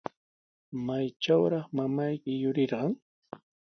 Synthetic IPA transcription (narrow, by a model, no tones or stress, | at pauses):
majt͡ʃawɾɑχmamajkɪjʊɾɪɾɢɑŋ